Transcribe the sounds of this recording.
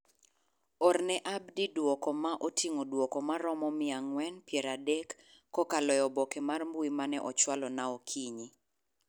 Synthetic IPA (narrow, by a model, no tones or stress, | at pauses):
ɔrnɛʔabdidwɔkɔmaʔotʰiŋodwɔkɔmaɾɔmɔmɪaŋwɛnpjɛɾadɛkː | ɔkalɔjɔbɔkemarmbuimanɛʔɔt͡ʃwalɔnaokʰiɲi